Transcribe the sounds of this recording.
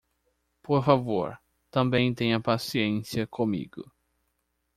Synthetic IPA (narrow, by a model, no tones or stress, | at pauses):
poɾfavoɾ | t̪ɐ̃mbẽj̃t̪ẽj̃ɐpasiẽsiɐkʰõmḭɡ̥ʊ̰